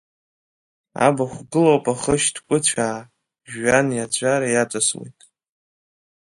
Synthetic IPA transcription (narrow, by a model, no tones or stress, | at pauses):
a̰baχʷɡɨlowpʼaχəʃdkʷʼʊt͡ɕʷʰaː | ʒanjat͡ɕʷʰʼaɾajat͡ʃʷʼaswḭjtʼ